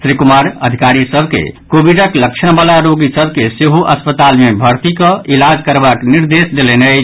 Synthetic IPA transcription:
sɾikumaɾə̰d̪ʱikaɾisəbʱkḛkobiɖəkləkt͡ʃʰəɽ̃balaɾoɡisəbʱkeseɦuʔəspət̪almebʱəɾt̪ikəʔilad͡ʒkəɾbakniɾd̪esd̪elene

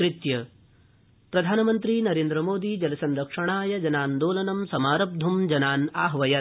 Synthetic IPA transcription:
ɾit̪jɐ | pɾɐd̪ʱaːnɐmɐnt̪ɾiːnɐɾeːnd̪ɾɐmoːd̪id͡ʒɐlɐsɐnɾɐkʂɐɳaːjɐd͡ʒɐnaːnd̪oːlɐnɐmsɐmaːɾɐb̚d̪ʱumd͡ʒɐnaːnaːɦʋɐjɐ

